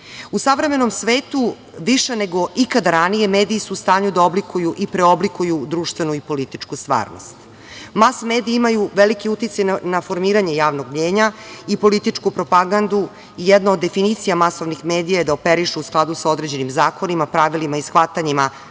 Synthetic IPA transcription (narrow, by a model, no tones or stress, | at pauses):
usaʋɾe̞me̞no̞msʋeːt̪u | ʋiʃene̞ɡo̞ikad̪aɾanije̞meːd̪iːsuːst̪aːɲud̪ao̞blikujuʔipɾeo̞blikujud̪ɾuːʃt̪vʋe̞nuipo̞lit̪it͡ʂkust̪ʋa̰ːɾno̰st̪ | masmeːd̪iimajuʋelikiut̪it̪sajanafo̞ɾmiːɾaɲe̞jaːʋnoɡmɲeːɲaipo̞lit̪it͡ʂkupɾo̞paɡand̪u | ijɛd̪naod̪ːe̞finit̪sijamaso̞ʋnixme̞ːd̪ijajed̪aopeɾiʃuusklˠad̪usao̞d̪ɾe̞d͡ʑe̞nimzaːko̞nimapɾaʋilimaisxʋat̪aɲima